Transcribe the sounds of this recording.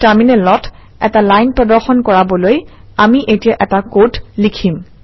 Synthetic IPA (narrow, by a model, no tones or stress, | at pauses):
taɹminɛlɔt | ɛ̰talajnpɹɔdɔɹxɔnkɔɹabɔloj | amiʔetijaʔɛtakotlikʰim